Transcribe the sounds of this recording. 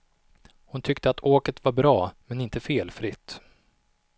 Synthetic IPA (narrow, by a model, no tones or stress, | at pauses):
hʊnt̪ʰʏkt̪əat̪ʰoːkət̪vaɾbɾɑːmɛnɪnt̪əfeːlfɾɪt̪ː